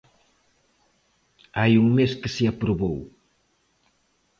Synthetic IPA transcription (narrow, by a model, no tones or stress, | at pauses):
ajuŋmeskɨsɪapɾuβow